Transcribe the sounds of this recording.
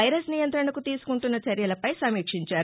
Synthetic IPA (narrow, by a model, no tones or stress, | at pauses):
ɐjɾɐsnijɐnt̪ɾɐɳɐkut̪iːsu̥kuɳʈunːɐt͡ʃɐɾjɐlɐpɐjsɐmiːkʂiɲt͡ʃaːɾ